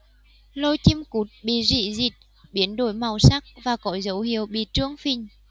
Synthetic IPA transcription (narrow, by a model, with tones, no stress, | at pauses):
lo˧jt͡ɕi˧mku˨˦˥t̚ɓḭ˧˨zḭ˧˨zi˨˩t̚ | ɓi˨˦ənɗo˧˩˦jma˨˩wsa˦˥k̚vaː˨˩kɔ˨˦zə˨˦whi˨˧˩əwɓḭ˧˨t͡ɕɨ˦˧˥əŋfi˧˩ŋ̟